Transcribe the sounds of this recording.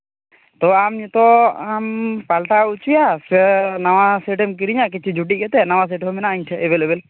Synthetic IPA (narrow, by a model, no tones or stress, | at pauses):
t̪ɔamɲt̪ɔampalʈaut͡ʃujasɛnawasɛʈɛmk̬iɾiɲak̬it͡ʃʰud͡ʒuʈ̬ikɛt̪ɛnawas̬ɛʈɛɔminaʔiɲtʰɛɛbelebɛl